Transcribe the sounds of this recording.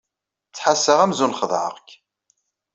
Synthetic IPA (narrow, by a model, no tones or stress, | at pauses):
t͡sːħasːəʁæmzunχəðˤʕə̰ʁk